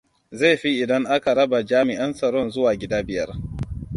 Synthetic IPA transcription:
za˦˨ɸi˦ʔɪ˨dɐ˦ŋʔa˦ka˨ɽɐ˦ba˨d͡ʒaː˦mɪ˨ʔɐ˦nsɐ˨ɾɔ˦˨nzʊ˦waː˨ɡʲɪ˦daː˦bɪ˨jɐ˦r

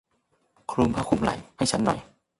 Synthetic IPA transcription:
kʰɾu˧mpʰaː˧˥˩kʰu˧˩˦mla̰˨˩˦jha˥˩jt͡ɕʰa˦˥nːɔ̰˨˩˦j

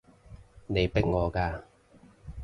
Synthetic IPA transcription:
ne˨˧jpɪ˥k̚ŋɔː˨˧kaː˧

